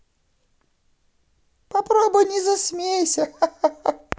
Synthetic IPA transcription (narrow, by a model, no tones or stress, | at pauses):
pɐpɾobʊjnʲɪzɐsʲmʲejsʲɐ